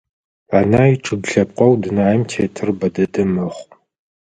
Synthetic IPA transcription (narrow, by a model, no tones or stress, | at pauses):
anaːjiʈ͡ʂʼɨɡɬɐp̚qʷʼɔwdɨnaːɐmtʰeːtʰɨrbɐdɐdɨmɐχʷ